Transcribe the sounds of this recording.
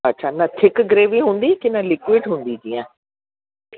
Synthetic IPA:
ətːʃʰaːnãːt̪ʰɪkɡɾeːʋiːɦʊ̃nd̪iːkɪnãːlɪkwɪːɖɦʊ̃nd̪iːd͡ʒiːɛ̃ː

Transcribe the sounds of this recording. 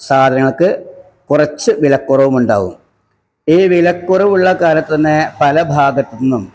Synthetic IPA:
saːd̪ʱɐnɐŋːɐɭkɨ | kurɐt͡ɕːɨʋilɐkːurɐʋumuɳɖaːɣṵm | iːʋilɐkːurɐʋuɭːɐkaːlɐt̪ːɐt̪ɐnːepɐlɐbʱaːɡɐt̪ːinːum

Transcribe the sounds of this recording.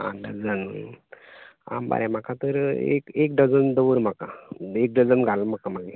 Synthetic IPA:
ã̰ɖəɾd͡zən | a̰mba̰ɾɛ̃m̤akat̪əɾḛkek̚ɖəd͡zənd̪əʋəɾm̤akaek̚ɖəd͡zənɡʱalm̤akamaɡe

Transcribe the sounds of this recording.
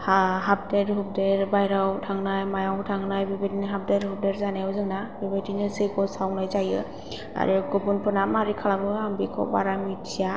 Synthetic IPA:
haɦap̚deɾɦub̚deɾbajɾawtʰaŋnajmajawutʰaŋnajbibetinɦap̚deɾhub̚deɾzanajawzɯŋnabibedinɯsekʰɔsawnajzajɯ | a̰ɾɯɡɔbunpʰɯnamaɾikʰalamɯambikʰɔ̰baɾamitsija

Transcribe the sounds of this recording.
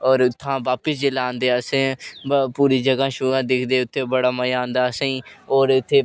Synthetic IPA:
ɔːɾʊt̪ʰːãːʋaːpəsd͡ʒɪlãːnd̪eːəsẽpuːɾiːd͡ʒəɡãːʃʊãːd̪ɪkʰd̪eːʊt̪ʰːeːbəɽaːməjãːnd̪aːsãĩːɔːɾʊt̪ʰːeː

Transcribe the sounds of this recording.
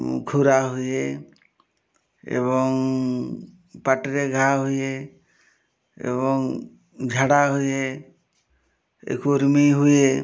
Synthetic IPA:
kʰuɾaɦuje | ḛβɔŋ | paʈɾeɡʱaɦuje | ḛβɔŋ | d͡ʒʱaɽaɦuje | ḛkuɾmiɦuje

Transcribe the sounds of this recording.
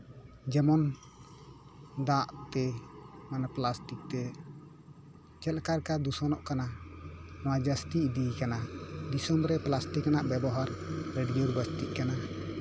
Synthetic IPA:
d͡ʒɛmɔn | d̪aʔt̪ɛmanaplasʈik̚t̪ɛ | t͡ʃɛlkaɾkad̪usɔnɔʔkana | nɔwad͡ʒast̪iʔd̪ikanad̪isɔmɾɛplasʈikanaʔbɛbɔɦaɾɾɛɖɡɛuɾbəst̪iʔkana

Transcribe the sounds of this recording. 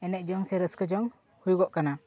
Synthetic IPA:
ɛnɛc̪̚ˀd͡ʒɔŋsɛɾəskəd͡ʒɔŋ | hujɡɔʔkana

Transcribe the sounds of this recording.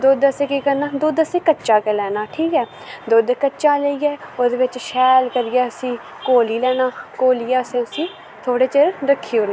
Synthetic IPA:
d̪oːd̪əsẽːkiːkəɾnaːd̪oːd̪əsẽːkətːʃaːkelɛːnaːʈʰiːkɛː | d̪oːd̪ekəːʃaːləiːɛːod̪eːʋɪt͡ʃʃɛːlkəɾiːɛːəsĩː | koːliːlɛːnaːkoːliːɛːəsẽːəsĩː | t̪ʰoːɽeːt͡ʃeɾɾəkʰːiːʊɾnː

